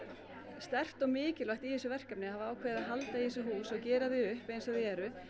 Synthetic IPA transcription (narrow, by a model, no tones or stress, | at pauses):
st̪ɛr̥t̪ɔɣmɪːcɪlaht̪iðɛsʏvɛr̥kapnɪhavaaːwkʰvɛːɾðaðɦalt̪aiɛs̬ʏɦuːsɔɣcɛːɾaðɪʏhpejnsvaðɪɛːɾʏ